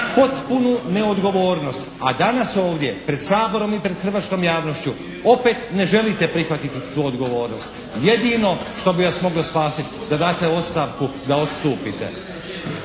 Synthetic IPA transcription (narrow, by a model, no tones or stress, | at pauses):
po̞t̪punune̞o̞d̪ɡo̞ʋo̞ːɾno̞st̪ad̪anaso̞ːʋd̪je̞pɾe̞d̪saːbo̞ɾo̞mipɾe̞d̪xrʋasko̞mjaːʋno̞ʃt͡ʃu | o̞pe̞t̪ne̞ʒe̞lit̪e̞pɾixʋat̪it̪it̪uːod̪ɡo̞ʋo̞ːɾno̞st̪ | je̞d̪ino̞ʃt̪o̞biʋasmo̞ɡlospaːsit̪d̪ad̪aːt̪eo̞t̪st̪aːʋkud̪aot̪st̪uːpit̪e̞̰